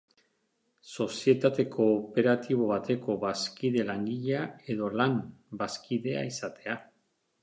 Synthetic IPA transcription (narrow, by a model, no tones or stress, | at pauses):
so̞sie̞t̪at̪e̞kʰo̞ːpe̞ɾat̪iβ̞o̞βat̪e̞ko̞βaskiðe̞laŋɡiʎae̞ðo̞lanbaskiðe̞a̰isat̪e̞a